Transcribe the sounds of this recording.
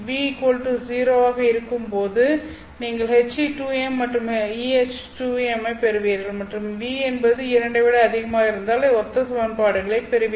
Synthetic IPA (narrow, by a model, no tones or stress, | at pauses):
ʋiːkoːlʈɯsiːɾoːaːɣɐɪɾɯkːɯmpoːðɯ | niːŋɡɐɭɛt͡ʃiʈuːɛmːɐʈrɯmiɛt͡ʃ | ʈuːɛmɐpɛɾɯʋeːɾɣɐɭmɐʈrɯmʋiːɛnbɐðɯɪɾɐɳɖɯʋeːɽɐɐðɪɣɐmaːɪɾɯnd̪aːleɔt̪ːɐsɐʋɐnpaːɽɯɣɐɭɐɪpɛɾɯʋɪ